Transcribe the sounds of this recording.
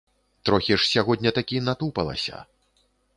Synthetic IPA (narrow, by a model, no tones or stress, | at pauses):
t̪ɾɔxʲiʂsʲaɣɔd̪ʲnʲɐt̪akʲinat̪upɐ̰lˠɐ̰sʲɐ̰